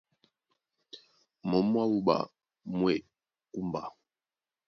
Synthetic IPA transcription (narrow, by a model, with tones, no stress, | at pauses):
mɔ˨˦mwa˦u˦ba̰˨ | mwɛ˨ | ku˦mba˨